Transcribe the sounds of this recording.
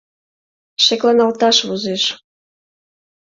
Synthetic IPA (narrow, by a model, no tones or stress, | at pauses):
ʃeklɑnɑlt̪ɑʃβuzeʃ